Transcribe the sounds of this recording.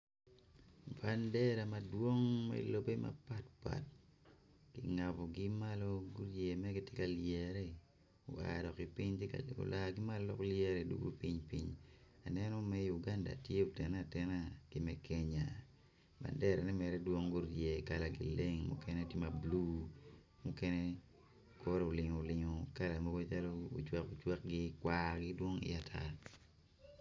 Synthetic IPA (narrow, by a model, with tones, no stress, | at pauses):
ba˨ndɛ˦ɾa˨ma˦dwo˦ŋmɛ̰˦lo˦be˦ma̰˦pa˦tpa̰˨t̚ | ɡ̥ɪ˨ŋa˨bɔ˨ɡɪ˦ma˦lo˦ɡu˦ɾje˨mɛ˦ɡɪ˦tjɪ˦ka˨ljɛ˨ɾɛ˦ | o˨a̰˨dɔ˨kɪ˨pi˦ɲtka̰o̰˨lʔa˨ɡɪ˦ma˦lɔ˦dɔ̰˦kljɛ˦ɾɛ˨dṵ˦ɡṵ˦pi˦ɲpḭ˦ɲ | a˨nɛ˦nɔ˦mɛ˦ju˨ɡa˦nda̰˨tje˦o˨tɛ˨na˦˨tɛ˦na˦kɪ˨mɛ˦kʰɛ˦ɲa˨ | ba̰˨ndɛ˦ɾɛ˨nɛ˦mɛ˨ɾɛ˦dwo˦ŋɡo˦ɾdjɛ˨i˨ka˦la˨ɡɪ̰˨le˦ŋmṵ˦kɛ˦nɛ˦ti˦ma˨blu˦ | mu˦kɛ˦nɛ˦ | kʰo˦ɾo˨lɪ˨ŋo˨lɪ˨ŋo˨ka˦la˨mo˦ɡo˦t͡ʃa˦lo̰ː˦˨t͡ʃwɛ˦ko˨t͡ʃwɛ˦k̚ɡɪ˦kwa˦ɡɪ˦dwo˦ŋɪ̰˦a˨tʰa˦